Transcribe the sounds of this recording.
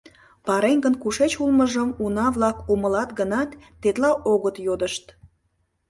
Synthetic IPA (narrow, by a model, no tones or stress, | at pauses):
pɑɾenʲɡənkuʃet͡ɕulməʒəmunɑβlɑkuməlɑt̪ɡənɑt̪ːet̪lɑʔoɣət̪jod̪əʃt̪̚